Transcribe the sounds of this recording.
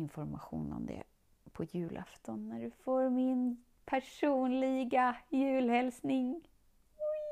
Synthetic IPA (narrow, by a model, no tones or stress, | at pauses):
ɪnfɔɾmaɧuːnɔ̰md̪ɛ̰ | pʰɔjʉ̟ːlʔa̰ft̪ɔnːæɖɵfoːɾmɪn | pʰæʂuːnlɪɡajʉ̟ːlhɛlsnɪŋ